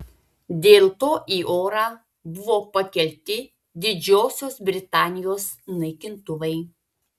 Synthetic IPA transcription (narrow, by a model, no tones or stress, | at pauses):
d̪ʲeːlˠt̪oːʔiːʔoːɾɑː | bʊʋoːpɐkʲɛlʲt̪ʲɪ | d̪ʲɪd͡ʒʲoːsʲoːsbʲɾʲɪt̪ɑːnʲɪjoːsnɐɪkʲɪnt̪ʊʋɐɪ